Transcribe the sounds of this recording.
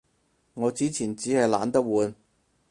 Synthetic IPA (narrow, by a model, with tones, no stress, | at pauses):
ŋɔː˨˧t͡siː˨˥t͡sʰiː˨˩nt͡siː˨˥hɐ˨jlaː˨˥nt̪ɐ˥k̚wuː˨˧n